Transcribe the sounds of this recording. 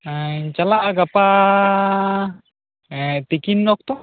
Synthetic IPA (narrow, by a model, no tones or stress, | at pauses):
at͡ʃalaʔɡapa | t̪ikinːɔk̚t̪ɔ